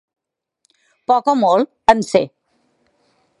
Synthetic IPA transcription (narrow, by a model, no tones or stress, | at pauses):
pɔkɔmol | ənse